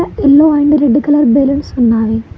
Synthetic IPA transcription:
ɐelːoːɐjɳɖɨɾeɖːɨkɐlɐɾbelɐnsunːaːði

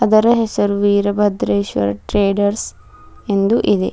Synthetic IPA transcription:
ɐd̪ɐɾɐɦɛsɐɾuʋiːɾɐbʱɐd̪ɾeːʃʋɐ̰ɾɐʈɾeːɖɐɾs | e̞nd̪uʔid̪ḛ

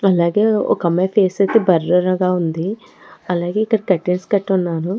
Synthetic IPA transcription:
ɐlaːɡe̞ːɔ̰kɐmːɐjpʰeːsɐjt̪eːbɐɾːɐɾɐɡaːund̪i | ɐlaːɡe̞ːikːɐɽɐkɐʈːenskɐʈːunːaːnu

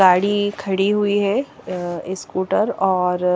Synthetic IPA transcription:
aːɽikʰɐɽiɦʊiɦɛ | ɪskuːʈəɾɔːɾ

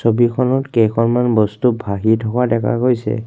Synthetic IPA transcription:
sobikʰɔnɔtkejkʰɔnmanbɔstubʱaɦitʰɔkadɛkʰa̰kojsɛ̰

